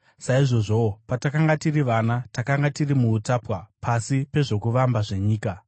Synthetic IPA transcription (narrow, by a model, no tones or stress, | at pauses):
saiʐo̞ʐo̞patakaŋɡatiriʋanatakaŋɡatirimuːtapwapʰasipe̞ʐo̞kuʋambaʐe̞ɲiːka